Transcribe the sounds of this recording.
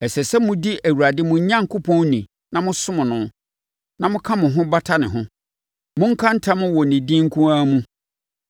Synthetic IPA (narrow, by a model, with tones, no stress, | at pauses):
ɛ˨sɛ˨sɛ˦mʊ̃˦di˦ʔæ˨wu˨ɾa˨dɪ˦mʊ̃˨ɲ˦ɲã˦˨ŋ̩˨kʰʊ˦pʰɔ̃˦n˦nĩ˨ | nã˨mʊ̃˦sʊ˦mʊ̃˨nʊ̃˦ | nã˨mʊ̃˦kʰã˦mʊ̃˨ɦʊ̃˦ba˦tʰa˦nɪ̰̃˨ɦʊ̃˦ | mʊ̃˦ŋ̩˦kʰã˦n̩˦tʰã˦mʊ̃˦wɔ˨nĩ˨dĩ˦ŋ̩˦kʰũ˦aː˦mũ˦